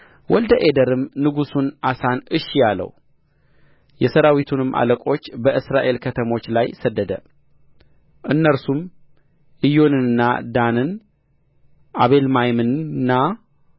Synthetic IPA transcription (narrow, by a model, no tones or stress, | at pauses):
wɔld̪əʔed̪əɾɨmnɨɡusunʔasanɨʃjalə̰w | jɛsəɾawit̪ʰunɨmʔa̰ləkʼo̞t͡ʃːbəʔɨsɾaʔe̞lkʰət̪ʰəmo̞t͡ʃːlajsəd̪ːəd̪ə̰ | ʔɨnːəɾsum | ʔɨjo̞nɨnɨnːa̰d̪anɨn | ʔaβe̞lmajmɨnnːa